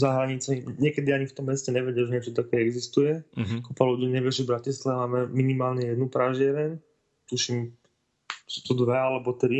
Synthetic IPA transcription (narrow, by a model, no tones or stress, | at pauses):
zaɦɾaɲit͡sɛɲɪɛkɛd̪iaɲift̪ɔmːɛscɛɲɛʋɛɟɪalʒɛɲɛt͡ʃɔt̪akɛːɛɡzist̪ujɛkupaluɟiːɲɛʋjɛʒivbɾacislɛmaːmɛminimaːlɲɛjɛd̪nupɾaʒɪɛɾɛɲ | t̪uʃim | suːt̪ɔd̪ʋɛalɛbɔt̪ɾi